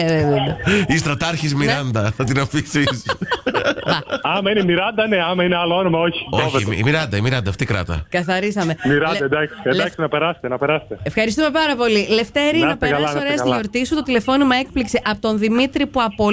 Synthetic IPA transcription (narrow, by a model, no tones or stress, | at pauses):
d̪ist̪ɾɐt̪ɐɾçizmiɾɐnd̪ɐθɐt̪inɐfisis | ɐɐmɐinemiɾɐnd̪ɐneɐmɐineɐloonomɐoçi̥oçveḭmiɾɐnd̪ɐimiɾɐnd̪ɐːft̪ikɾɐ̰t̪ɐ̰kɐθɐɾisɐme̞miɾɐɐed̪ɐksed̪ɐksinɐpeɾɐse̥t̪enɐpeɾɐse̥t̪eefxɐɾist̪ume̞pɐɾɐpo̞lile̞ft̪eɾiɐɐpeɾɐɐoɾeɐzɐloɾt̪isut̪ot̪ile̞fo̞nimɐe̞k̚pliksiʔɐpot̪o̞nðimit̪ɾipuɐpo̞